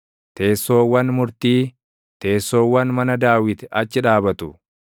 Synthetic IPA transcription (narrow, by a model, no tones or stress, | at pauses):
t̪e̞ːsːo̞ːwːɐnmʊɾt̪iː | t̪e̞ːsːo̞ːwːɐnmɐnɐd̪aːwɪt̪ɪɐt͡ʃːɪᶑaːbɐt̪ʊ